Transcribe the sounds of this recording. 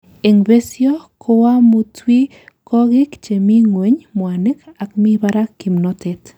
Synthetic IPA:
eŋbesjɔkʰowamʊtwi | kʰɔɡɪkt͡ʃemiŋweɲmwanɪkakmibaɾakːimnɔt̪et̪

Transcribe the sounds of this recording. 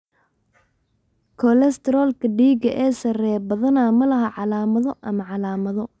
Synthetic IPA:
kʰɔlɛst̪ʰɛɾɔːlkʰɐɖiːɡɐʔɛːsɐrɛːbɐðɐnaːmɐlɐɦɐʕɑlaːmɐðɔʔɐmɐʕɑlaːmɐðɔ

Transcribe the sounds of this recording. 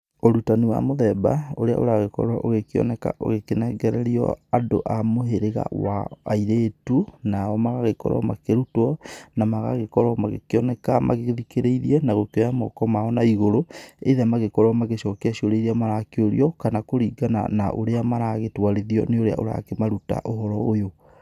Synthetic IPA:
oɾutaniwa̰moðɛba̰oɾea̰ʔo̰ɾaɣekɔ̰ɾɔʔoɣekeɔ̰nɛka̰ʔo̰ɣekenɛɡɛɾɛɾiɔ̰ando̰ʔamoɦeɾeɣa̰wa̰ːiɾetunaɔmaɣaɣekɔ̰ɾɔ̰makeɾutɔnamaɣa̰ɣekɔɾɔmaɣḛkiɔnɛkamʔa̰ɣeðikeɾeiɾiɛnaɣokojamɔ̰kɔmaɔnaiɣoɾoeðamaɣekɔɾwɔmaɣeʃɔkeaʃioɾeiɾeamaɾakeoɾḭɔkanakoɾiːɡana̰na̰ʔoɾeamaɾaɣetwaɾeðiɔ̰neoɾea̰ʔoɾa̰kemaɾuta̰ʔoɦɔɾɔojo

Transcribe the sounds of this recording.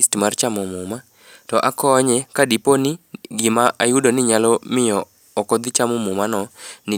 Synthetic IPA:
stmart͡ʃamɔmʊma | tɔʔakɔːɲɛkadiponɪɡɪmaʔajʊdonɪɲalɔmɪjɔː | kɔd̪ɪt͡ʃamɔmʊmanɔnɪ

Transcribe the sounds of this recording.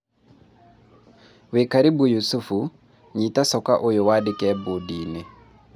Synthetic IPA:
wekaɾibujusufu | ɲitasɔkaʔojowadekɛbodine

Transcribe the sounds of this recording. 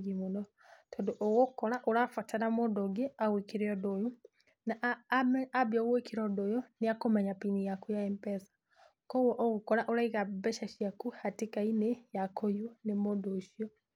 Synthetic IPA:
ɡimonɔ | tʰɔndoʔoɣokɔɾaʔoɾafatanamodoɡeaɣwekeɾeɔdojo | naʔ | abjɔɣwekeɾɔdojoneakomɛɲapinijakujaɛmpɛsḁ | kɔwɔʔoɣokɔɾaʔoɾaiɣabɛʃaʃjakuhatekainejakojunemodoʃiɔ

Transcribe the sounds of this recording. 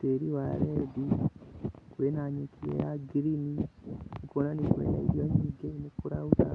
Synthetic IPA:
teːɾiwaɾedi | kwenaɲekʰijḛjaɡiɾini | konanikuwḛːnaiɾiaɲiɡenekuɾauta

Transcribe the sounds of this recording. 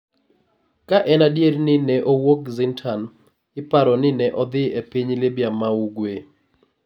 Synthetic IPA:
kaʔɛnadjeɾnɪnɛʔowokzɪntʰan | ɪpaɾɔnɪnɛʔɔd̪ɪepiɲlɪbjamauɡwe

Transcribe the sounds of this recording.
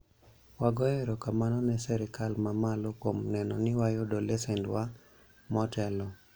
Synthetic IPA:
waɡɔjeɾɔkamanɔnɛsɛɾɪkalmamalokomnɛnɔnɪwajodolɛsɛndwa | mɔtɛlɔ

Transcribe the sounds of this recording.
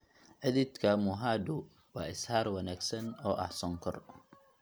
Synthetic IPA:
ʕɪðɪd̪kʰɐmʊɦaːd̪ʊ | wɑːɪshaːɾwɐnaːɡsɐnɔːʔɐ̰hsɔŋkʰɔr

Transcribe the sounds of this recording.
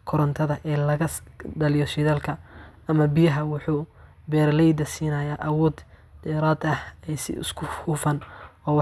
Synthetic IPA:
kʰɔɾɐnt̪ʰɐðɐʔɛːlɐɣɐɖɐlɪjɔʃɪðaːlkʰɐ | ɐmɐbɪjɐɦɐwʊħuː | bɛːrlɛjd̪ɐsiːnɐjaːʔɐwɔːd̪ | d̪̥ɛːɾaːd̪ɐhɛjsɪ̰ʊ̰skʰʊhuːfɐnɔːw

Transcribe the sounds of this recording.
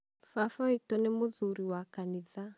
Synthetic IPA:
fafɔitɔnemoðuɾiwakaniða

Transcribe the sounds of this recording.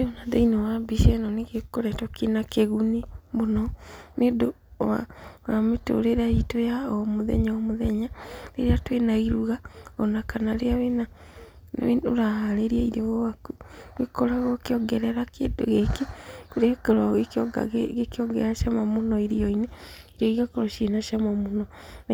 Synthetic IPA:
eonaðeinawabiʃɛnɔneɣekoɾɛtɔkinakeɣunemonɔnedowa̰wameto̰ɾeɾaitojaɔmoðɛ̰ɲaɔmoðɛɲaɾeɾeatwenaiɾuɣaɔnakanaɾeaβena̰ | eo̰ɾahaɾeɾiaiɾɔɣowakuɡekoɾaɣokeɔɡɛɾɛɾakedoɣekekuɾeakeɾwaɣ̰ | ɣekeɔɡɛɾaʃamamonɔiɾiɔineiɾiɔiɣakoɾɔʃenaʃamamonɔna

